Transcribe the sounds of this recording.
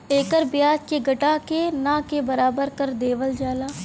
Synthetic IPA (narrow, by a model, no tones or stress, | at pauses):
eːkəɾbjaːd͡ʒkeɡɐʈakenãkebɐɾaːbəɾkɐɾd̪eːʋəld͡ʒaːlaː